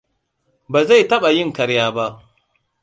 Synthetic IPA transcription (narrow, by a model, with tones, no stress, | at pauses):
baː˨za˦˨tɐ˦ɓa˨jɪ˦˨ŋkɐ˨ɾjaː˦ba˦ʔ